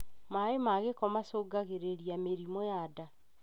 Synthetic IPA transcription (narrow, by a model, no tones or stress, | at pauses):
maemaɣekɔmasoːɡaɣeɾeɾiameɾimojada